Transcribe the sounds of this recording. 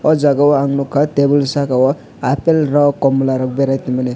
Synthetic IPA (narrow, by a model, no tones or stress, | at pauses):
ʌd͡zaɡawaŋnukʰːat̪ebulsakawɔ | apelrʌkɔmulaɾʌk̚beɾajt̪imʌne